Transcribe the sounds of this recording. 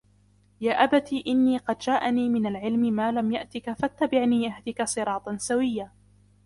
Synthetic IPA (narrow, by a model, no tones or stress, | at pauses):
jaːʔabat̪iːʔɪnːiːqɑd̪d͡ʒaːʔaniːmɪnalʕɪlmɪmaːlamjaʔt̪ɪkafat̪ːabɪʕniːʔahd̪ɪkasˤɨɾˤɑːt̪ˤɑnsawɪjːaː